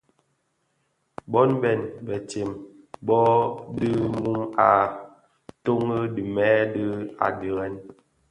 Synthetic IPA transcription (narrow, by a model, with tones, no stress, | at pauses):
bɔ˦nbɛ˨nbɛ˨t͡ʃe˨m | bɔ˦dɨ˦mu˦ma˨ | to˦ŋə˦di˨mɛ˦dɨ˦a̰˨di˨ɣɛ˦n